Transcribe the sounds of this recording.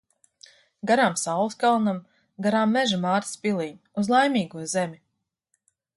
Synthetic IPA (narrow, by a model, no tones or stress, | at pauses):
ɡaɾaːmsawlˠɨskalˠnam | ɡaɾaːmːɛʒamaːɾt̪spʲilˠiː | uzlˠajmʲiːɡuɔzɛmʲi